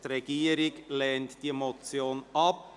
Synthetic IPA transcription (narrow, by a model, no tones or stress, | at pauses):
tɾeɡiːɾɪkleːntd̥iːmot͡sjoːnɑp̚